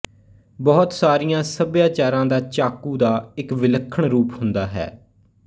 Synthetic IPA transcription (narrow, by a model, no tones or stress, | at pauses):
bɔːt̪saːɾijãːsəbjaːt͡ʃaːɾãːd̪aːt͡ʃaːkuːd̪aːɪkʋɪləkʰːəɳɾuːphʊnd̪aːɦɛ̰ː